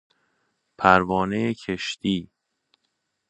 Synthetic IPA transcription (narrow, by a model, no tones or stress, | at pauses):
pʰæɾvɒːnejecʰeʃt̪iː